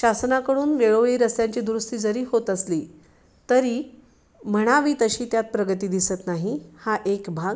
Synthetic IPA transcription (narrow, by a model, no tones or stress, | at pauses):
ɕasnakəɽuːnʋeɭoʋiːɾəsjaɲt͡ɕiːd̪ɾust̪iːd͡zəɾiːɦot̪əsliː | t̪əɾiː | məɽ̃aʋiːt̪əɕiːt̪jat̪̚pɾəɡət̪iːd̪isət̪naɦihaʔekbʱaɡ